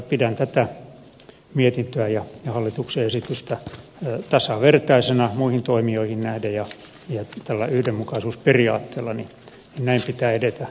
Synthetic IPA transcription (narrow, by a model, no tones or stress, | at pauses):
pidænt̪æt̪æ | miet̪int̪øæjɑjɑhɑlːit̪ukseesit̪yst̪æ | t̪ɑsɑʋert̪ɑisenɑmuihint̪oimioihinnæhdæjjɑ | jɑt̪ælːæ̰yhdemːukɑisuːsperiɑ̰ːt̪ːeːlːɑni | ninnæimpit̪æːedet̪æ